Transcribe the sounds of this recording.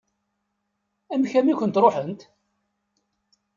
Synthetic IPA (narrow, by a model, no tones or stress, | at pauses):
æmçæmikʷənt̪ɾˤoħənt̪